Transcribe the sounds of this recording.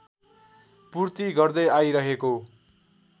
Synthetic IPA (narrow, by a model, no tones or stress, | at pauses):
purt̪iɡʌrd̪ʌjajɾʌɦeko